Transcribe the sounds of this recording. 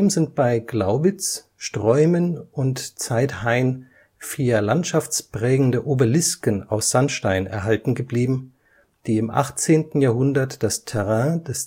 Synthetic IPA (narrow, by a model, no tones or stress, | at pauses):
mzɪnt̚b̥aɪɡlaʊbɪt͡s | ʃtʁ̥ɔʏmənʊntt͡saɪthaɪn | fiːɐlantʃaft͡spʁ̥ɛːɡŋ̩dəʔoːbɐlɪskəna̰ʊsz̥anʃtaɪnɛ̰ɐɦaltn̩ɡəbliːbm̩ | d̥iːɪmʔa̰χt͡seːntn̩jaːɐɦʊndɐtd̥astʰɛʁɛ̃ːd̥ɛs